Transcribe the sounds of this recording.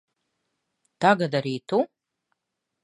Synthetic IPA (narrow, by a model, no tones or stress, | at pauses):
t̪aɡad̪aɾiːt̪ʰu